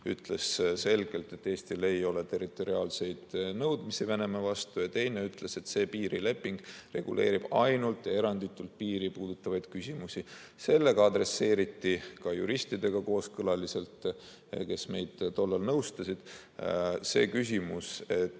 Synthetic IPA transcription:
y̰t̪le̞sse̞lɡ̥e̞lt̪e̞t̪ːe̞ːst̪ile̞jo̞le̞t̪e̞rˑit̪ːˑo̞ɾiɑːlse̞jd̪̥nɤwd̪misivene̞mevɑst̪ujɑt̪e̞jne̞yt̪le̞se̞t̪se̞ːpiːɾile̞pːˑiŋɡ̥re̞ɡ̥ṵlʔe̞ːɾib̥ɑjnult̪ːˑjɑe̞ɾɑnd̪̥it̪ːˑult̪̚piːɾipuːd̪̥ut̪ːˑɑvɑjd̪̥kysʲimusʲise̞lːe̞ɡ̥ɑɑd̪re̞sːe̞ːɾit̪ːikɑjṵɾist̪id̪e̞ɡ̥ɑko̞ːskɤlɑlise̞lt̪ | ke̞sme̞̰jd̪̥t̪o̞lːɑlnɤwst̪ɑsid̪̥ | se̞̰ːkys̬ʲimuse̞t̪ː

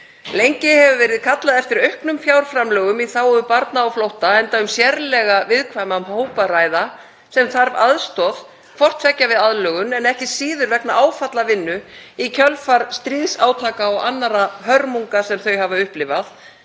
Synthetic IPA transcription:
lejɲcɪhɛvʏvɛːɾɪðkʰat̪laðɛft̪ɪɾœɥhknʏmfjawɾ̥fɾamlœːɣʏmiθaːwʏpaɾt̪naːwflowht̪aɛnt̪aʏmsjɛɾlɛɣavɪðkʰvajmamhoːwpaɾaːjða | sɛmθaɾva̰ðst̪ɔð | fɔr̥t̪sɛcːavɪðaðlœːɣʏnɛnɛhcɪsiːðʏɾvɛknaʔaːwfat̪lavɪnːʏicʰœlfaɾ̥st̪ɾiːðsaːwt̪ʰaːkaɔɣanːaɾahœɾmuŋkasɛmθœɥhavaʏhplɪvaθ

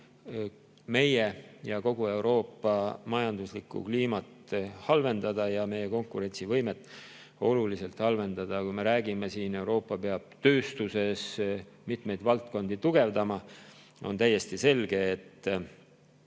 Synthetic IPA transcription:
me̞jejɑko̞ɡ̥ue̞wɾo̞ːpːˑɑmɑjɑnd̪̥uslikːṵkliːmɑt̪hɑlve̞nd̪ɑd̪̥ɑjɑme̞jːeko̞ŋkuɾe̞nʲt̪sivɤjme̞t̪ːˑ | o̞lulise̞lt̪hɑlve̞nd̪̥ɑd̪̥ɑkujme̞ɾæːɡ̥ime̞siːne̞wɾo̞ːpːˑɑpe̞ɑb̥̚t̪ø̞ːst̪use̞s | mit̪me̞jd̪vɑlt̪̚ko̞nd̪̥it̪uɡ̥e̞vd̪ɑmɑ | o̞̰nt̪æjːe̞st̪ise̞lɡ̥e̞ːt̪ː

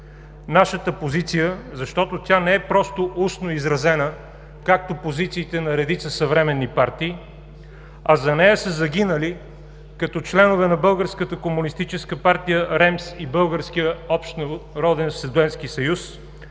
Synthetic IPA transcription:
naʃət̪əpozit̪sijəzɐʃt̪ɔt̪ot̪ʲanɛɛpɾɔst̪oʔusnoizɾɐzɛnə | kak̚t̪opozit̪siːt̪ɛnɐɾɛd̪it̪səsɐvɾɛmɛnːipaɾt̪iː | ɐzɐnɛjəsəzɐɡ̟inəli | kɐt̪ɔt͡ʃlɛnʊvɛnɐbɤlˠɡəɾskət̪əkomunist̪it͡ʃɛskəpaɾt̪ijəɾɛmsibɤlˠɡəɾsk̟ijəɔpʃt̪nɾɔd̪ɛnsɛd̪ɛnsk̟isɐjus

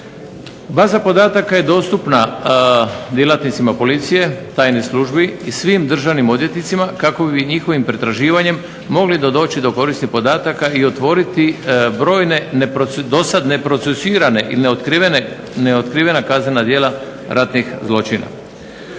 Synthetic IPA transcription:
baːzapo̞d̪aːt̪akaje̞d̪o̞ːst̪upna | d̪jelat̪nit̪simapo̞lit̪sije̞t̪aːjnesluʒbiisʋimd̪r̩ʒaʋnimo̞d̪je̞t̪nit̪simakako̞biɲixo̞ʋimpɾe̞t̪ɾaʒiːʋaɲe̞mː | o̞ɡlid̪od̪o̞ːt͡ɕid̪o̞ko̞ɾisnixpo̞d̪aːt̪akaio̞t̪ʋo̞ɾit̪ibɾo̞ːjne̞d̪o̞sad̪ne̞pɾo̞t̪sesiːɾane̞ʔḭlineot̪ine | neot̪kɾiːʋe̞nakazne̞nad̪je̞ːlaɾʔat̪nixzlˠo̞t͡ʃina̰

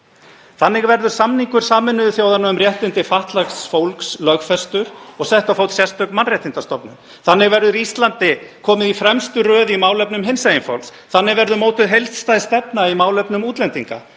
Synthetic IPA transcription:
θanːɪɣvɛɾðʏɾ̥samniŋkʏɾ̥saːmɪnʏðʏθjoːwðanaʏmrjɛht̪ɪnt̪ɪfaht̪laxsfowlkslœɣfɛst̪ʏɾɔɣsɛht̪awfoːwt̪sjɛst̪œknmanrjɛht̪ɪnt̪ast̪ɔpnʏ̰m | θanːɪɣvɛɾðʏɾist̪lant̪ɪkʰɔːmɪðifɾɛmst̪ʏrœːðimaːwlœpnʏmɦɪnsajɪnfa̰wls | θanːɪɣvɛɾðʏmoːwt̪ʏðɦejlt̪st̪ajðst̪ɛpnaimaːwlœpnʏmuːt̪lɛnt̪iŋka̰

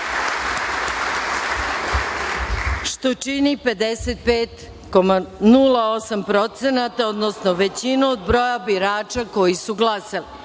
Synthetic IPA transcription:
ʃt̪o̞t͡ʃinipe̞d̪eset̪̚peːt̪ | komanulao̞sampɾo̞t̪senat̪aod̪nosnoʋe̞t͡ɕinuod̪bɾo̞jabiɾaːt͡ʃako̞jisuɡlˠasali

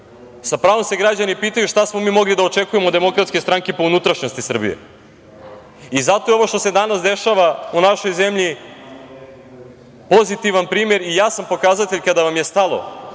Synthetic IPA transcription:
sapɾaːʋo̞mse̞ɡɾad͡ʑanipiːt̪ajuʃt̪asmo̞miːmo̞ɡlid̪ao̞t͡ʃe̞kujemod̪e̞mo̞kɾat̪skest̪ɾaŋkepo̞unut̪ɾaʃno̞st̪isr̩bḭje̞̰ | izat̪o̞eo̞ʋo̞ʃt̪o̞sed̪anasd̪e̞ʃaʋaunaʃo̞jze̞mʎi | po̞zit̪iʋanpɾiːmeɾijaːsampo̞kazat̪eʎkad̪aʋamje̞st̪alˠo̞̰

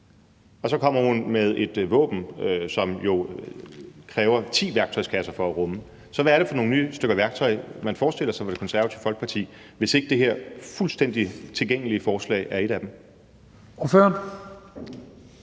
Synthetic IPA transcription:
ɒ̽sɒ̽kʰɒ̽m̰ɐhunmeð̞ˠe̝d̥ʋɔ̰ːb̥n̩sɒ̽mjo̝ | kʰʁɛːʊɐt͡sʰḭːʋæɐɡ̥t͡sʰɒ̽ɪskʰæsɐfɒ̽æʁɔ̽mə | sɒ̽ʋææɐɾ̥e̝fɒ̽no̝ːŋ̩nyːsd̥øɡ̥ɐʋæɐɡ̥̚t͡sʰɒ̽ɪmænfɒːsd̥e̝l̰ɐsɑ̈ɪfɒd̥e̝kʰɒ̽nsæɐʋæt͡sʰiʊfɒ̽lɡ̥̚pʰɑ̈t͡sʰḭː | ʋe̝se̝ɡ̥əd̥e̝ɦe̝ɐ̰fulsd̥en̰d̥it͡sʰe̝lɡ̥eŋ̰əliəfɒːslɛ̰ɪʔæɐe̝ɾ̥æd̥em̩ | foføɐn

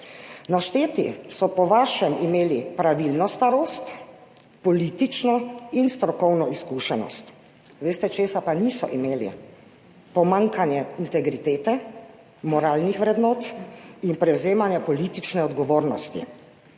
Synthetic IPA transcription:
naʃt̪eːt̪ḭsɔpɔʋaːʃɛmimeːlipɾaʋilnɔst̪aɾoːst̪ | pɔliːt̪it͡ʃnɔinst̪ɾɔkɔwnɔiskuʃɛnɔ̰st̪ | ʋeːst̪ɛt͡ʃeːsapanisɔ̰ʔimeːlḭ | pɔmaŋkanjɛint̪ɛɡɾit̪eːt̪ɛ | mɔɾaːlnixʋɾɛd̪nɔːt̪inpɾɛwzeːmanjɛpɔliːt̪it͡ʃnɛɔd̪ɡɔʋoːɾnɔst̪ḭ

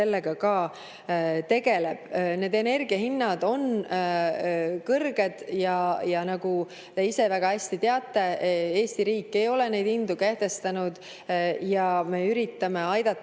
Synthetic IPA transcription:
e̞lːeɡ̥ɑkɑː | t̪e̞ɡ̥e̞le̞b̥ne̞ːd̪e̞ne̞rɡiɑhinːɑd̪̥o̞n | kɤrɡe̞d̪̥jɑjɑnɑɡ̥u | t̪e̞ise̞væɡ̥ɑhæsʲt̪it̪eɑt̪ˑːe̞e̞ːst̪iɾiːkːˑe̞jo̞le̞ne̞jd̪ind̪̥ukeht̪e̞st̪ɑnud̪̥ | jɑme̞yɾit̪ːɑme̞ɑjd̪̥ɑt̪ː

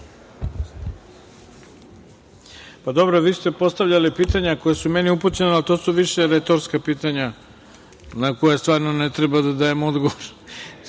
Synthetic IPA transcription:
pad̪o̞bɾoʋiːst̪epo̞st̪aʋʎalipiːt̪aɲako̞jesume̞niuput͡ɕenealt̪osuʋiʃe̞ɾet̪o̞ɾskapiːt̪aɲa | nakojast̪ʋaːɾnonet̪ɾebad̪ad̪ajemo̞d̪ɡoʋoɾ

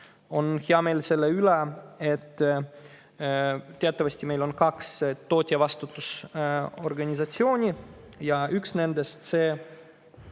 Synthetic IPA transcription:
o̞nheɑme̞ːlse̞lːeylɛet̪ːˑ | t̪eɑt̪ːˑɑvɑsʲt̪ʲime̞jlo̞nkɑkst̪o̞ːt̪ʲiɑvɑst̪ut̪ːˑus | o̞̰rɡɑnʲisɑt̪sio̞ːnʲijɑyksne̞nd̪est̪seː

